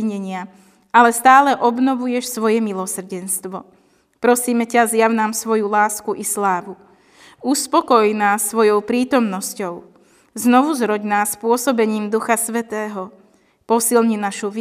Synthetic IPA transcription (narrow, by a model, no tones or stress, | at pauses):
ɲɛɲɪa | alɛst̪aːlɛʔɔbnɔʋujɛʃsʋɔjɛmilɔsr̩ɟɛnst̪ʋɔ̰ | pɾɔsiːmɛcazjaʊnaːmsʋɔjulaːskuʔislaːʋu | uspɔkɔjnaːsʋɔjɔʊpɾiːt̪ɔmnɔscɔʊ | znɔʋuzɾɔɟnaːspʊɔsɔbɛɲiːmd̪uxasʋɛt̪ɛːɦɔ | pɔsilɲinaʃuʋ